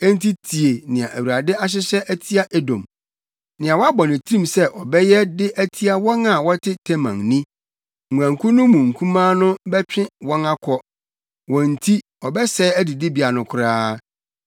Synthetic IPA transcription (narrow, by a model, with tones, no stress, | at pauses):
ɛ˦n̩˦tʰi˦tʰi˨e˨nɪ̃˨ã˨ʔæ˨wu˨ɾa˨dɪ˦a˦ɕ̬ɪ˦ɕɛ˦ʔæ˦tʰi˦a˦ʔɛ˦dɔ̰̃˨m | nɪ̃˨a˨wɔ˦a˦bɔ˨nɪ̃˨tʰɾĩ˦msɛ˦ʔɔ˨bɛ˦jɛ˦dɪ˦ʔæ˦tʰi˦a˦wɔ̃˦na˨wɔ˦tʰɪ˦tʰɛ˦mã̰˨ŋnĩ˦ | ŋ̩˨u˨ã˨ŋkʰʊ˦nʊ̃˦mũ˨ŋ̩˨kʰũ˦mãː˦nʊ̃˦bɛ˦t͡ɕᶣɪ̃˦wɔ̃˦na˦kʰɔ˦ | wɔ̃˨n̩˨tʰi˦ | ɔ˨bɛ˦sɛː˦æ˦di˨dɪ˦bi˨a˨nʊ̃˨kʰʊ˨ɾaː˦